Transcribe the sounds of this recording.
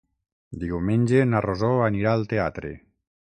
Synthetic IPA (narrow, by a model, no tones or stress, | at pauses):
d̪iwmẽnʲd͡ʒenarozoaniɾaːlˠt̪eat̪ɾḛ